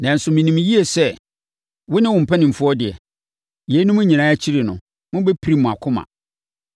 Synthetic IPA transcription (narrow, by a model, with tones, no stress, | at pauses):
nã˨n̩˨sʊ˨mɪ̃˨nĩ˨m˦ji˦e˨sɛ˦ | wʊ˦nɪ̃˦wʊ̃˨m̩˨pʰɛ˦nɪ̃˨m̩˨fʊ˦ɔ˦dɪ˨ɛ̰˨ | je˨˦nʊ̃˦mʊ̃˦ɲĩ˨nãː˦æ˦t͡ɕʰi˦ɾi˨nʊ̰̃˨ | mʊ̃˦bɛ˦pʰi˨ɾi˦mʊ̃˨a˨kʰʊ̃˦mã̰˨